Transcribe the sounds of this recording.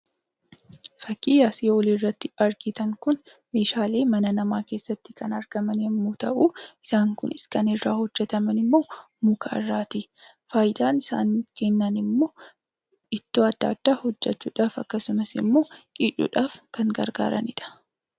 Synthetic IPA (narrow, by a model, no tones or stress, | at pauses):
fɐkːiːjaːsɪjoːlirːɐt̪ːɪɐɾɡɪt̪ɐŋkʊn | me̞ːʃaːle̞ːmɐnɐnɐmaːke̞ːsːɐt̪ːɪ̥kɐnɐɾɡ̥ɐmɐnhɛmːuːt̪ɐʔuɪsaːŋkʊnɪskɐnɪrːaːhɔd͡ʒːɛt̪ɐmɐnɪmːo̞ː | muːkʰaɐ̰rːaːt̪i | faːjɪd̪aːnɪsa̰ːŋkɛnːɐnɪmːo̞ː | ɪt̪ːoːɐd̪ːa̰ːd̪̥ːaːhɔd͡ʒːɛt͡ʃːuːᶑaːfɐkːɐsʊmɐsɪ̰mːo̞ːkʼiːt͡ʃʼːṵːᶑaːfkɐŋɡɐ̰ɾɡa̰ːɾɐ̰nɪᶑɐ̥